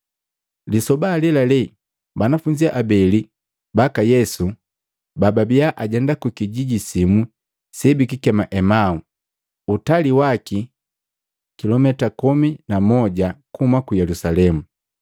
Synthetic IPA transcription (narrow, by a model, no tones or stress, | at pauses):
lisɔbalɛlalɛ | banafuɲd͡ʒiaʔabɛli | bakajɛsu | bababiaʔaɟɛndakukiɟiɟisimu | sɛbikikɛmaʔɛmau | utaliwaki | kilɔmɛtakɔminamɔɟakumakujɛlusalɛmu